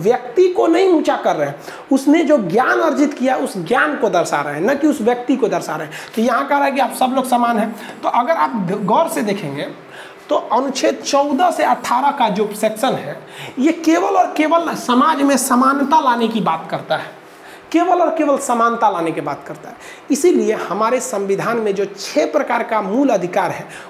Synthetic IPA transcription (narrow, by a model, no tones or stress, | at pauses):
ʋjək̚t̪ikonɐɦĩmũːt͡ʃakəɾːəɦɛ̃ | ʊsned͡ʒoːɡjaːnɐɾd͡ʒɪt̪kijaɦɛʊsɡjaːnkod̪əɾsa̰ɾəɦɛ̃nɐkiʊsʋjək̚t̪ikod̪əɾsaɾəɦɛ̃t̪ojɐɦãkɛɦɾaɦɛk̬iaːpsɐbloːɡsamaːnɦɛ̃t̪oʔɐɡəɾaːp̚ɡɔːɾsed̪eːkʰẽŋɡe | t̪oɐnʊt͡ʃʰet̪t͡ʃɔʊd̪əseɐʈʰːaːɾəkad͡ʒopɾsɛksənɦɛjekeːʋəlɔːɾkeːʋəlsəmaːd͡ʒmẽsəmaːnt̪alaːnekibaːt̪kəɾt̪aɦɛː | keːʋəlɔːɾkeːʋəlsəmaːnt̪alaːnekebaːt̪̚kəɾt̪aɦɛ | ɪsiliehɐmaːɾesə̃mʋɪd̪ʱaːnmẽd͡ʒoːt͡ʃʰepɾəkaːɾkamuːləd̪ʱɪkaːɾɦɛː